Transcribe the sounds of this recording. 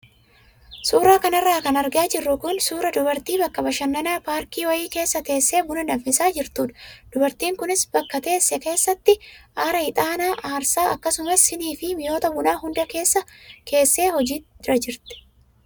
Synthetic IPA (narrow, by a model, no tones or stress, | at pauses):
suːɾaːkɐnɐrːaːkɐnɐɾɡaːd͡ʒɪrːʊkʊnsuːɾɐd̪ʊbɐɾt̪iːbɐkːɐbɐʃɐnːɐnaːpaːɾkiːwɐjiːke̞ːsːɐt̪e̞ːsːe̞ːbʊnɐnɐfɪsaːd͡ʒɪɾt̪uːᶑ̪ɐ̥d̪̥ʊbɐɾt̪iːŋkʊnɪsbɐkːɐt̪e̞ːsːɛke̞ːsːɐt̪ːɪʔaːɾɐhɪt̪ʼaːnaːʔaːɾsaːʔɐkːɐsʊmɐsːɪniːfɪmɪjo̞ːt̪ɐbʊnaːɦʊnd̪ɐke̞ːsːɐke̞ːsːe̞ːhɔd͡ʒiːɾɐd͡ʒɪɾt̪ɛ̥